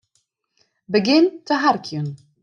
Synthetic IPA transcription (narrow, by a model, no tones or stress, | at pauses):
bəɡɪnt̪ːəɦaɾkʰjun